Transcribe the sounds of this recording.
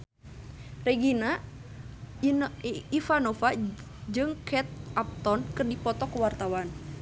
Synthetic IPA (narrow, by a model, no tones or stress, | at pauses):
rɛɡina | ifanɔfa | d͡ʒɨŋkʰɛt̪̚ap̚t̪ɔnkɨrdipɔt̪ɔkəwart̪awan